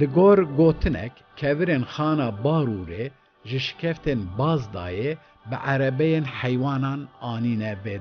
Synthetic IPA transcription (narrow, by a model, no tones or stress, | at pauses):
lɨɡoːɾɡoːt̪ʰɨnɛ̰kʲ | kʰːɛvɨɾeːnxɑːnɑːbɑːɾuɾeː | ʒɨʃɪ̥kʲʰɛft̪eːnbɑːzd̪ɑ̰ːjɛ | bɨʔæɾɛbɛjeːnħɛjwɑːnɑːnɑːniːnɛveː